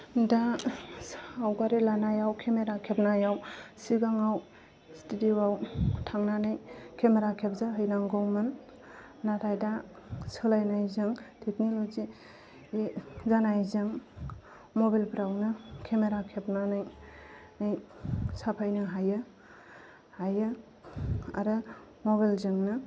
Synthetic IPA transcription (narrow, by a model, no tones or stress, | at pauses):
da | awɡaɾilanajawkʰemeɾakʰepnajawsiɡaŋaw | stidiwawtʰaŋnanɯjkʰemeɾakʰep̚zaɦɯjnaŋɡɔwmɯnː | aɾajda | sɯlajnajzɯŋtʰeknolozi | zanajzɯŋ | mobalpɾawnɯkʰemeɾakʰepnanɯjnajsapʰajnɯɦajɯ | hajɯ | a̰ɾɯ | moβalzɯŋnɯ